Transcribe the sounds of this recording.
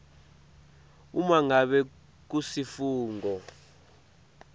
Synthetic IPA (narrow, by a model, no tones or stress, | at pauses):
umaŋaɓɛ | k̬usifuːŋɡɔ